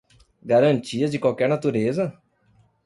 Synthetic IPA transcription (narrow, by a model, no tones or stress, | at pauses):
ɡaɾɐ̃nt͡ʃiɐzd͡ʒɪkawkɛɾnat̪uɾezɐ